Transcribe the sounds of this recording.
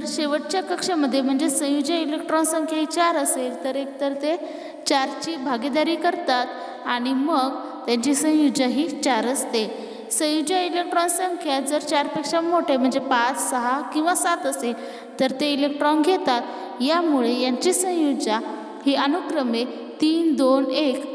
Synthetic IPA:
əɾɕeʋəʈ̚t͡ɕjakəkʂəməd̪ʱːjem̤əɳd͡zesə̃jud͡ʑailek̚ʈɾɔnsə̃ŋkʰjaɦiːt͡ɕaɾəselt̪əɾek̚t̪əɾt̪e | t͡ɕaɾt͡ɕiːbʱaɡed̪aɾiːkəɾt̪at̪ | aɽ̃iməɡ | t̪jãɲt͡ɕisə̃jud͡ʑaɦiːt͡ɕaɾəst̪e | sə̃jud͡ʑailek̚ʈɾɔnsəŋkʰjad͡zəɾt͡ɕaɾpekʂamoʈem̤əɳd͡zepat͡ssəɦakĩw̃ʋasat̪əsel | t̪əɾt̪eilek̚ʈɾɔnɡʱet̪at̪ | jamuɭejaɲt͡ɕisə̃jud͡ʑa | hiʔənukɾəme | t̪iːnd̪onek

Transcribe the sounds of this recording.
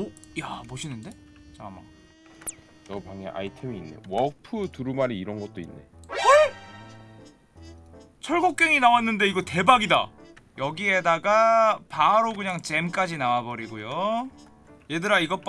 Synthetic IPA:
jaboɕʰinɯnde̞ | t͡ɕama̰ | nʌpaŋḛʔa̰itʰemiːnːḛwʌpʰɯtuɾumaɾiiɾʌnɡʌt̚t͈oinːe̞̰ | t͡ɕʰʌɭɡok̚k͈e̞ŋinawanːɯnde̞iɡʌte̞baɡida̰jʌɡie̞daɡapaɾokɯɲaŋt͡ɕe̞mk͈ad͡ʑinawabʌɾiɡojo | je̞dɯɾaiɡʌp͈

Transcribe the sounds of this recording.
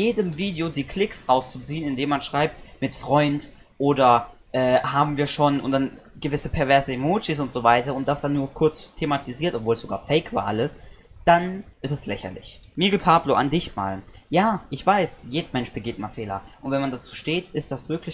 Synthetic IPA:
jeːdəmviːdeodiːkʰl̥ɪksʁaʊst͡sut͡siːənɪndeːmanʃʁ̥aɪp̚tmɪtfʁ̥ɔʏnt | ʔoːdɐ | ʔɛːhaːbm̩viːɐʃoːnʊntd̥anɡ̥əvɪsəpʰɛɐvɛɐzəemoːt͡ʃis̬ʊntz̥ovaɪtɐʊnt̚d̥asd̥anːuːɐkʰʊɐt͡stʰematʰiziːɐtʔɔpvoːlsz̥oɡaːɐfɛɪkv̥a̰ːɐʔaləs | d̥anʔɪstɛslɛçɐ̰lɪ̰ç | miːɡl̩pʰaːbloʔa̰ndɪçma̰ːljaːʔɪçv̥aɪsjeːdɐmɛnʃb̥əɡɪːtmaːfeːlɐ̰ʔʊntvɛnmandat͡suːʃteːtɪstd̥asv̥ɪɐklɪç

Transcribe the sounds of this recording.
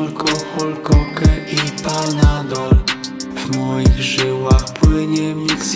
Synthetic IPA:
lkʰɔxɔlkɔkɛʔipanad̪ɔl | vmɔjiɣʐɘwaxpwɘɲɛmʲiks

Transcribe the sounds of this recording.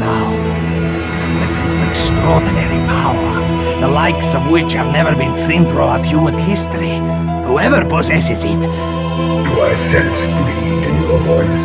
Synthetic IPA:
naʊ | ɪtɨzwɛpɨ̃nʌvɛkstɹ̥ɔɹdⁿn̩ɛɹipʰaʊə̃˞ | ðəlaɪksʌvwɪt͡ʃhɨvnɛvə˞bɨ̃nsɪ̃ntɹɔ̰ətjuəd̥hɪstɹi | huɛvə˞pʰəzɛsɪzɪt | d̥uaɪsɛ̃ns | dĩ | ɨ̃nəvɔɪs

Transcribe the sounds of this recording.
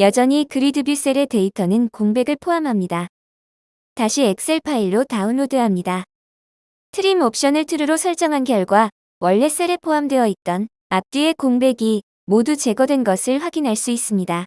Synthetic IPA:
jʌd͡ʑʌɲikɯɾidɯbjus͈eɾe̞te̞itʰʌnɯnkoŋbe̞ɡɯɭpʰoɦamɦamɲida | taɕʰie̞k̚s͈e̞ɭpʰaiɭːotaɯnːodeɦamɲida | tʰɯɾimop̚ɕ͈ʌnɯɭtʰɯɾɯɾosʰʌɭt͡ɕ͈ʌŋɦanɡjʌɭɡwa | wʌɭːe̞s͈eɾepʰoɦamdwe̞ʌit̚t͈ʌn | ap̚t͈ie̞koŋbe̞ɡi | modut͡ɕe̞ɡʌdwe̞nɡʌsʰɯɭɸwaɡinɦaɭs͈uis͈ɯmɲida

